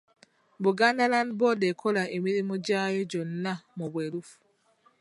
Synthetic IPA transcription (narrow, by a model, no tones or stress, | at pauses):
bɔɡandalanbɔdɛkʰɔlaʔemiɾimɔd͡ʒajɔd͡ʒɔnːamɔbweluf